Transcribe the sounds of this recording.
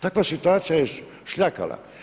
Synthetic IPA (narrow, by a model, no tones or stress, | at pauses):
t̪akʋasit̪uaːt̪sijajɛ | ʃʎʲaka̰la̰